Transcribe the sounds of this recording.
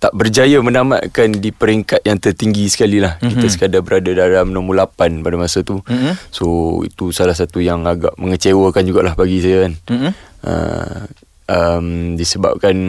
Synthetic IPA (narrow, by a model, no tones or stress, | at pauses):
t̪aʔbərd͡ʒajamənama̰ʔkandipəɾiŋkat̪̚jaŋt̪ərt̪iŋɡisə̥kalilahkit̪asə̥kadabəɾadadalamənamulapanpadamasat̪usoḭt̪usalahs̬at̪ujaŋaɡa̰ʔməŋət͡ʃewəkand͡ʒuɡaʔlahbaɡisajaan | ə̰ | ʔəmdisəba̰p̚kan